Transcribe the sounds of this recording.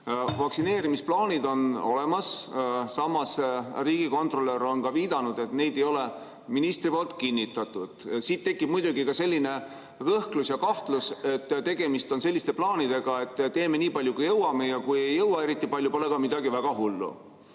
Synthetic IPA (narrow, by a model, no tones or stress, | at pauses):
vɑksine̞ːɾimisplɑːnʲid̪o̞no̞̰le̞mɑssɑmɑsriːɡ̥iko̞nt̪roleɾo̞nkɑviːd̪̥ɑnud̪̥e̞t̪ne̞jd̪e̞jo̞le | minist̪ripoːlt̪ˑkinːit̪ːˑɑt̪ːˑud̪̥sid̪̚t̪ːe̞kːˑib̥mujd̪uɡikɑse̞lʲːine̞ | kɤhklusjɑkɑht̪luse̞t̪ːt̪e̞ɡe̞mist̪o̞nse̞lːist̪e̞plɑːnid̪e̞ɡ̥ɑe̞t̪ːe̞ːme̞niːpɑlʲjukujɤwɑme̞jɑkuje̞jːɤwɑe̞ɾit̪ˑːipɑlʲjupo̞le̞kɑmid̪̥ɑɡivæɡ̥ɑɦulːṵ